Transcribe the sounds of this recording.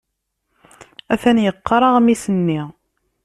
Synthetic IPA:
æθænjəqːɾˤɑʁmisənːi

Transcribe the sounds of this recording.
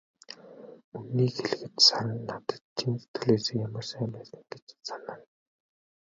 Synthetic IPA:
unniːxeɮ̆ɣɘ̆t̪saɾə̆nːat̪ə̥̆t̪̚t͡ɕʰinʰt̪ʰuɮeːseːkjamə̆rsæːmpæːsə̆ŋɡet͡ɕsanə̆n

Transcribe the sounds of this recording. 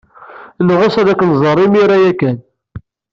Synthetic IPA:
nʁosæðækːənzˤəɾˤimiɾæjækːæn

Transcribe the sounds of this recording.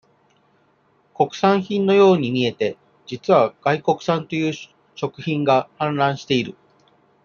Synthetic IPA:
ko̞kɯ̟̥sãɰ̃çĩnno̞jo̞ːɲ̟imʲie̞t̪e̞ | d͡ʑit͡sɨβaɡ̥aiko̞kɯ̟̥sãnt̪o̞jɯ̟ː | ɕo̞kɯ̟çĩŋɡahãnɾãɰ̃ɕi̥t̪e̞iɾɯ̟

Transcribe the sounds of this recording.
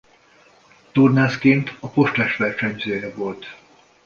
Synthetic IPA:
t̪urnaːskeːnt̪ɒpo̞ʃt̪lɛʃʋɛrʃɛɲzøːjɛvo̞lt̪

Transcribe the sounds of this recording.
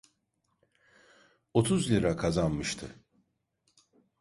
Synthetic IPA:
o̞t̪ʰuzlʲiɾakʰazanmɯʃt̪ʰɯ

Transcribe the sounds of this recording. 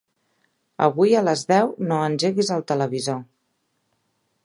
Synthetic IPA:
ə̰βujələzðɛwnoənʲʒeɣizəlˠt̪ələβizo

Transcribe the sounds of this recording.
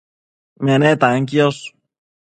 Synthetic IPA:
menet̪aŋkios

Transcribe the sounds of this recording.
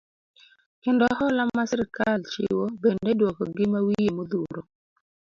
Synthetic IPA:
kɪndɔɦɔlamasɪɾkalt͡ʃɪ̰wobendedwɔkɔɡɪmawijemod̪uɾo

